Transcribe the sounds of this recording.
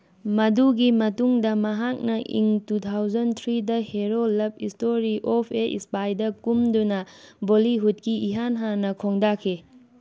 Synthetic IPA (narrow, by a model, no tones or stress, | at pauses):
mɐduɡimɐtuŋdɐmɐɦak̚nɐʔḭŋtutʰawzɐnt̪ʰɾidɐheɾolɐp̚istoɾiʔopʰeʔḭspajdɐkumdunɐboliɦut̚kiiɦanɦanɐkʰoŋdakʰe